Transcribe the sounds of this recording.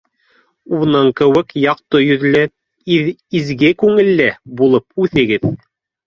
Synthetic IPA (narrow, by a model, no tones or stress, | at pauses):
unɤŋkɘ̆wɘkjɑq̚t̪ɤjɵ̆ðlæ | izɡɘkʉŋɘ̆lːæbulˠɤp̚ʉθɘ̆ɡɘð